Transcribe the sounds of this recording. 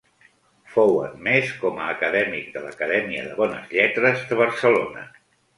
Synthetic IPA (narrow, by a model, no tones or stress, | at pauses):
fowə̰nmeskɔməːkəðɛmik̚d̪ələ̰kəðɛmiə̰ðəβɔnə̰zʎɛt̪ɾəzðəβ̞əɾsəlo̰nə̰